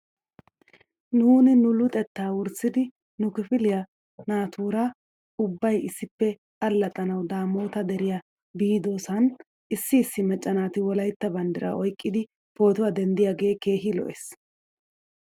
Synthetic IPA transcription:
nuːnɪnʊlʊt̪ʼɛt̪ːaːwʊɾsːɪd̪ɪ | nʊkɪfɪlɪjɐ | naːt̪ʰuːɾɐ | ʊbːɐjɪsːɪpːɛ | ɐlːɐt̪ʼɐnɐwd̪aːmo̞ːt̪ɐd̪ɛɾɪja | biːd̪o̞ːsɐn | ɪsːɪːsːɪmɛt͡ʃʼːɐnaːt̪ɪwɔlɐjt̪ːɐbɐnd̪ɪɾɐ̰ʔɔjkʼːɪd̪ɪ | po̞ːt̪ʊwad̪ɛnd̪ɪjaːɡe̞ːke̞ːɦɪlɔ̰ʔes

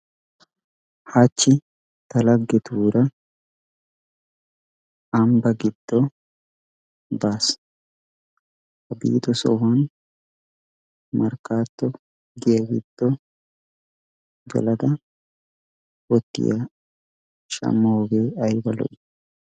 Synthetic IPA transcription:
haːt͡ʃːɪ | t̪ɐlɐɡːɛt̪uːɾɐ | ɐmbɐɡɪd̪̥ːɔ | baːs | hɐbḭːd̪ɔsɔ̰wɐn | mɐɾkːaːt̪ːɔ | ɡɪjɐɡɪ̰d̪̥ːɔ | ɡɐ̰lɐd̪ɐ | wɔt̪ːɪ̰jɐ | ʃɐ̰mːoɡeːɐjbɐlɔ̰ʔ

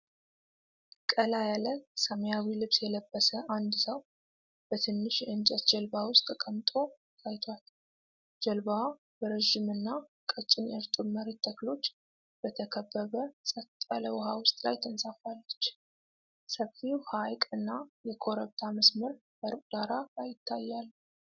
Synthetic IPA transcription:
kʼəlajaləsəmjawilɨβsjɛləbːəsəʔand̪səw | b̥ət̪ʰɨnːɨʃɨnt͡ʃʼɛt̪d͡ʒɛlbawʊst̪ʼːəkʼəmt̪ʼo̞ | t̪ʰʼajt̪ʰwal | d͡ʒɛlba | bəɾəʒimɨnːakʼət͡ʃʼːɪnʔɛɾt̪ʼɨməɾit̪ʰːəklo̞t͡ʃː | b̥ət̪ʰəkʰəbːəβəsʼət̪ʼːaləwʊhawʊst̪ʼla̰jt̪ʰɨnsʼafalːət͡ʃː | səfiwhajkʼɨnːajɛkʰo̞ɾəβt̪ʰaməsməɾ | b̥əɾɨkʼd̪aɾalajɪt̪ʰːajːalː

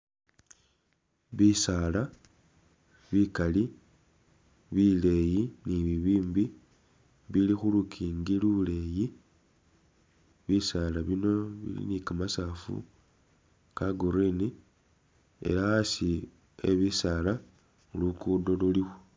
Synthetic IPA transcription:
βisaːla | βikali | βile̞jiniβiβiːmbi | βilixulukʰiːŋɡilule̞ji | βisalaβino̞βḭlḭnikamasafṵ | kaɡuɾini | e̞̰laasi | e̞̰βisaːla | lukuːndolulixu

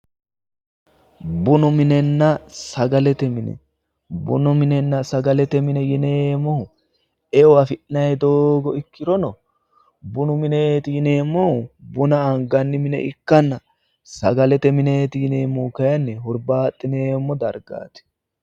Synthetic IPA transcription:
bʊnʊmɪnɛnːɐsɐɡɐlɛt̪ɛmɪnɛ̰ | bʊ̰nʊmɪnɛnːɐsɐɡɐlɛt̪ɛmɪnɛjɪneːmːɔʊ | ɛɔwafɪʔɪnɐjɛd̪oːɡɔɪkːɪɾɔnɔ | bʊnʊmɪnet̪ɪɪneːmːɔʊbʊnɐɐŋɡɐnːɪmɪnɛ̰ʔɪkːɐnːɐ | sɐɡɐlɛt̪ɛmɪneːt̪ɪɪneːmːɔkɐjɐnːɛɦʊɾbaːt̪ʼːɪneːmːɔd̪ɐɾɡa̰ːt̪ɛ̥

